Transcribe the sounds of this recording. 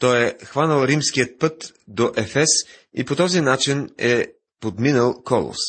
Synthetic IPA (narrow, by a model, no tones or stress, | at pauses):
t̪ɔjɛxvanəlˠɾimskiət̪̚pɤt̪ | d̪oʔɛfɛsḭpot̪ɔzinat͡ʃinɛ | pod̪minəlˠkɔlˠo̰s